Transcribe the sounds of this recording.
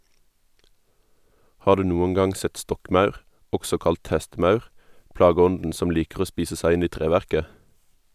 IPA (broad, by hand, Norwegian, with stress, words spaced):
ˈhɑːʁ ˈdʉː ˈnuːəŋ ˈɡɑŋ ˈsɛt ˈstɔkˌmɑʉʁ ˈɔɡsɔ ˈkɑlt ˈhɛstˌmɑʉʁ ˈpɽɑːˌɡɔndn̩ ˈsɔm ˈliːkʁ̩ ˈoː ˈspiːsə ˈsæɪ ˈɪn ˈiː ˈtʁeːʋæʁkə